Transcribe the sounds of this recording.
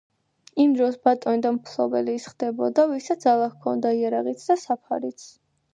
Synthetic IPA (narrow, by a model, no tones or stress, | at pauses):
imd̪ɾɔsbat̪ʼɔnid̪ampʰlˠɔbɛliːsχd̪̥ɛbɔd̪avisad̪alˠakʰɔnd̪aiaɾaʁit̪sʰd̪asapʰa̰ɾit̪sʰ